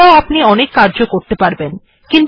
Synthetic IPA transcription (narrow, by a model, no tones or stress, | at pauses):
aoapniɔnekːaɾd͡ʑokoɾt̪epaɾben | kint̪